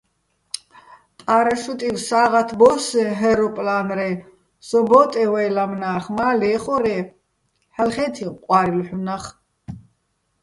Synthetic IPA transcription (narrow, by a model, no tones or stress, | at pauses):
t̪ʼaɾaʃut̪ʼiwsaːʁat̪ʰbɔsɛɦɛɾɔpʼlanɾɛ | sɔbɔt̪ʼɛwɛːlamnaːχmaːlɛːχɔɾɛ | halχɛt̪ʰiqʼwaɾilħunaχ